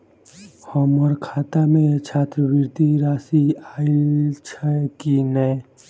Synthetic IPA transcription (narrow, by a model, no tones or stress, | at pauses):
həmɔɾkʰaːt̪amẽt͡ʃʰaːt̪ɾəʋiɾt̪iɾaːsiait͡ʃʰəkinɛe